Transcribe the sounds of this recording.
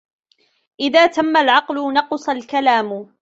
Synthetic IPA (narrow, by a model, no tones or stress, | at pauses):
ʔɪðaːt̪amːalʕɑqlʊnɑqsˤalkalaːmʊ